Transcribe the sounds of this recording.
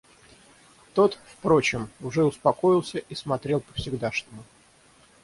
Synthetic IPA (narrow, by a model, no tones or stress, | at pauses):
t̪o̞t̪fpɾo̞t͡ɕɪmʊʐɛʊspɐko̞jɪlˠsʲəʔismɐt̪ɾʲe̞lˠpə̥fsʲɪɡd̪aʂt̪əmʊ